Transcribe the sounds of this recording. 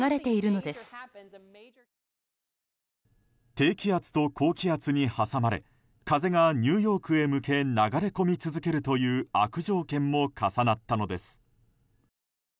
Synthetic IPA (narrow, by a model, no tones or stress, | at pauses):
aɾe̞t̪e̞iɾɯ̟no̞d̪e̞sɨ̥ | t̪e̞ːkʲiat͡sɨ̥t̪o̞kʰo̞ːkʲiat͡sɨɲ̟ihasamaɾe̞̰ | kaze̞ɡaɲ̟ɨːjo̞ːkɯ̟e̞mɯ̟kʰe̞naɡaɾe̞ko̞mʲit͡sɨzɨke̞ɾɯ̟t̪o̞jɯ̟ːakɯ̟ʑo̞ːkẽ̞mːo̞kʰasanat̪ːano̞d̪e̞sɨ̥